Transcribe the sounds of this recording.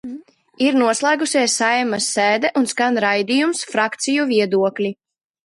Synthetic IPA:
iɾnuɔslˠaːɡusʲiɛsːajɛmasːɛːd̪ɛʔunskanɾajd̪ijumsfɾakt̪sijuviɛd̪uɔklʲi

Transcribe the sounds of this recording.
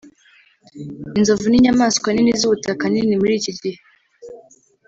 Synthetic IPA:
inzovuniɲamaskwaninizuβutakaninimuɾiːcidih

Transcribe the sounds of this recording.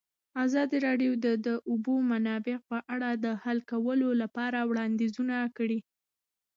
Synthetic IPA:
azɑd̪iɾɑɖjowd̪əd̪əʔʊbomanɑbɪq̚pəʔaɽad̪əhalkawəlolapɑɾawɽɑnd̪izunakəɽi

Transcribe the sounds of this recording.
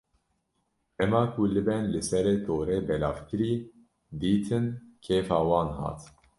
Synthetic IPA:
ʔɛmɑːkʰulɨbɛnlɨsɛɾeːt̪oːɾeːbɛlɑ̰ːfkɨɾiː | d̪iːt̪ʰɨnkʰeːfɑːwɑːnhɑ̰ːt̪

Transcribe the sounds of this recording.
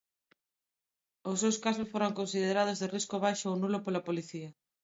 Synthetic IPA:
osewskasosfoɾoŋkonsiðeɾað̞ʊzðeriskoβ̞ajʃoownulopolapoliθiɐ

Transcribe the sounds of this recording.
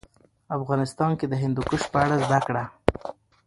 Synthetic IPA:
afɣɑnɪst̪ɑnked̪əɦɪnd̪ukʊʃ̚pəaɽazd̪akɽa

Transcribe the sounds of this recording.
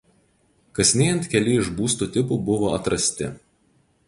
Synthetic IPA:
kɐsʲnʲeːjɛnt̪kʲɛlʲɪɪʒbuːst̪uːt̪ʲɪpuˑbʊʋoːɐt̪ɾɐsʲt̪ʲɪ̰

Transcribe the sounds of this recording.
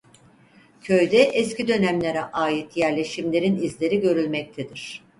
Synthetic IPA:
cʰø̞jd̪ɛʔɛscid̪ø̞næmlʲeɾɛʔaːjit̪jæɾlʲe̞ʃimlʲe̞ɾinizlʲe̞ɾiɟø̞ɾylʲmɛc̚t̪ʰed̪iɾ̝̥

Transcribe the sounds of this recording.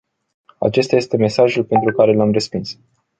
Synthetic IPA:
a̰t͡ʃe̞st̪aje̞st̪e̞me̞saʒulpe̞nt̪ɾukaɾe̞lamre̞spins

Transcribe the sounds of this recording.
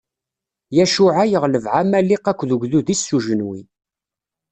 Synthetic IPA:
jæʃuʕajəʁləvʕamælːiqækʷːðəʝðuðisːuʒənwi

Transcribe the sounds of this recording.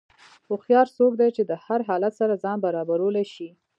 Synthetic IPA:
ʊxjɑɾsok̚d̪ajt͡ʃed̪əhaɾɦɑlat̪saɾazɑnbaɾɑbaɾolaʃi

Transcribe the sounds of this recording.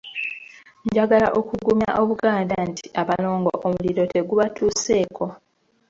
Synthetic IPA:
ɲɟaɡala̰ʔo̞kuɡumjaʔo̞βuɡaːndantʰi̥ʔaβalo̞ːŋɡo̰ʔomuliɾo̞te̞ɡuβatuːse̞ːkʰo̞

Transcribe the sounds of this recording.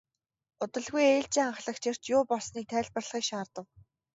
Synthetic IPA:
ʊt̪ə̆ɮɣujeːɮt͡ɕiːŋaɴχɮə̆kt͡ɕʰer̥t͡ɕjʊːpɔɮsniːk̚t̪ʰæːɮpə̆rɮχiːkʃaːrt̪ə̆w

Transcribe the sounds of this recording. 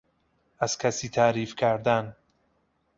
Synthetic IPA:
æz̥kʲʰæsiːt̪ʰæɾiːfcʲʰæɾd̪æn

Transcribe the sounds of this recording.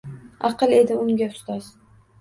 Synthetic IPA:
ɑ̰qɨlˠe̞d̪ɪʊŋɡʲaʊst̪ɒz̥

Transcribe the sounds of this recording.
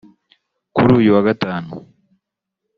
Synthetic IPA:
kuɾuːjuwaɡataːnṵ

